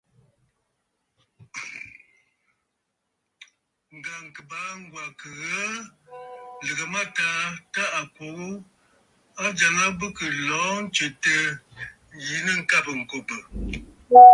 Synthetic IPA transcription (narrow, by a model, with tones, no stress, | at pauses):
ŋ̩˨ɡa˨ŋ˨kə˨baː˨˦ŋ˦ɡwa˨kə˨ɣə˦ | lə˨ɡə˨ma˦taː˨˦ta˦ʔa˨kwo˨ɡo˦ | a˦d͡ʒa˨ŋa˦bə˦kə˨lɔː˨˦n̩˦t͡ʃe˨tə˦ | ji˨˦nə˦ŋ̩˦ka˦˨bə˨ŋ̩˨ko˨bə˨